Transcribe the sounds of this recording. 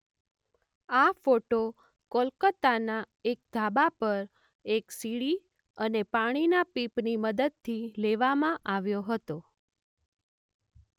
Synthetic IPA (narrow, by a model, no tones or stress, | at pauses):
afoʈo | kolkət̪ana | ek̚d̪ʱabapəɾ | eksiɽi | ənepaɽ̃inapipniməd̪əd̪̚t̪ʰileʋamãʔaʋjoɦət̪o